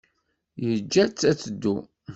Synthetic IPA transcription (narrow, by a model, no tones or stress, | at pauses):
jəd͡ʒːæt͡sːæt͡sːəd̪ːu